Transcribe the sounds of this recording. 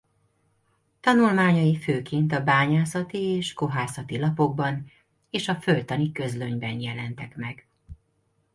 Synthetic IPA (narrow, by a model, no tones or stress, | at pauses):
t̪ɒnulmaːɲɒjiføːkeːnt̪ɒbaːɲaːsɒt̪ieːʃkoɦaːsɒt̪ilɒpo̞ɡ̚bɒn | eːʃɒfølt̪ɒnikø̞zløɲbɛnjɛlɛnt̪ɛkmɛɡ